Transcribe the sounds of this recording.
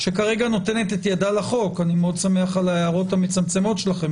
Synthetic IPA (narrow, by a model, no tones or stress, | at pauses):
ʃekaʁe̞ɡano̞te̞ne̞t̪etjadalaχo̞kanimeo̞d̪same̞aχalaeaʁo̞tamet͡samt͡se̞mo̞tʃelaχe̞m